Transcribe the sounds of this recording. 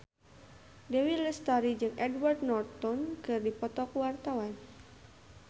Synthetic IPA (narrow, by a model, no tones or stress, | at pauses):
dɛwiləst̪aɾid͡ʒɨŋɛdward̚nɔrt̪ɔnkɨrdipɔt̪ɔkwart̪awan